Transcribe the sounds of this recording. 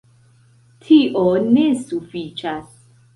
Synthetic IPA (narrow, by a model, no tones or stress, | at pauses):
t̪ʰiʔonesufiːt͡ʃʰas